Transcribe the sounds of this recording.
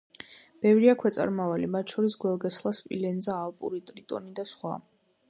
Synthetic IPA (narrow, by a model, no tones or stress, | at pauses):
b̥ɛvɾiakʰwɛt̪sʼa̰ɾmavalimat̪ʰʃɔɾisɡwɛlˠɡɛslˠaspʼḭlɛnzaːlˠpʼṵɾit̪ʼɾit̪ʼɔ̰nid̪asχwa̰